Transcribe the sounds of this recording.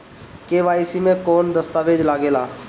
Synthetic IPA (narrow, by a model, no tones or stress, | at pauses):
keːʋaːjsimẽkɔːnd̪əst̪aːʋeːd͡ʒlaːɡeːlaː